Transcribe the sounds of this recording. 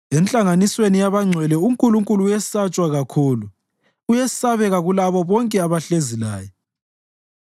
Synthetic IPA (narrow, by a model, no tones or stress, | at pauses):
ɛnt͡ɬʼaŋaniswenijaβaŋ͡ǀʱwɛlɛuŋkʼuluŋkʼuluːjɛssat͡ʃʼwaɣakʰuːlu | ujesaβɛɣaɣulaβɔβɔŋkʼɛaβaɬezila̰ːjɔ